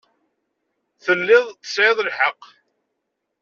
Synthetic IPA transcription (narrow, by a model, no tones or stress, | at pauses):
θəlːɪðˤtə̥sʕeðˤlħəq